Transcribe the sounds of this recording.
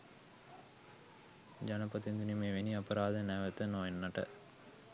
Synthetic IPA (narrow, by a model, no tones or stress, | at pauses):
d͡ʒanɐpɐt̪ind̪unimeːʋeniɐpɐɾaːd̪ənæʋət̪ənoenːaʈə̰